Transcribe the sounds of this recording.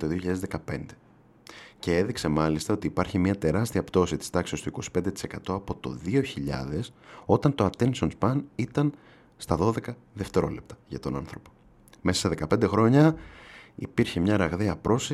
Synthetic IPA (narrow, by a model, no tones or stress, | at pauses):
t̪oðioçiʎɐðezðe̞kɐpe̞nd̪e̞ | ce̞e̞ðikse̞mɐlist̪ɐot̪iːpɐɾçimɲɐt̪e̞ɾɐst̪iɐpt̪o̞sit̪i̥st̪ɐksiost̪oiko̞si̥pe̞nd̪e̞t̪i̥se̞kɐt̪o̞ɐpo̞t̪o̞̰ðio̞çiʎɐ̰ðe̞so̞t̪ɐnt̪o̞ɐt̪ensonspɐnit̪ɐn | st̪ɐðo̞ðe̞kɐ | ðeft̪e̞ɾo̞le̞p̚t̪ɐ̥ʝɐt̪o̞nɐ̰nθɾo̞po̞̥ | meɐ̥seðe̞kɐpe̞nd̪e̞xɾo̞ɲɐ | ḭpiɾçemɲɐɾɐɣðeɐpɾo̞si